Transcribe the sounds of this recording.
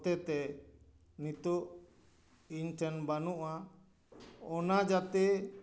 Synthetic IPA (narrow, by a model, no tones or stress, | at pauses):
t̪ɛt̪ɛ | nit̪uʔ | inʈɛnbanuʔa | ɔnad͡ʒat̪ɛ